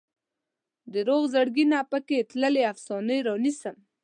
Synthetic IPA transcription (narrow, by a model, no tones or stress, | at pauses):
d̪əɾoɣzəɽɡinapəket̪ləleafsɑnəjɾɑnisəm